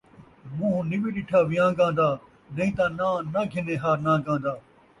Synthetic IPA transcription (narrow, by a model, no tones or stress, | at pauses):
mũːɦnɪbiːɗɪʈʰaːʋɪjãːɡãːnd̪aː | nə̃ĩːt̪ãːnãːnaːɡʱɪneːɦaːɾnãːɡãːnd̪aː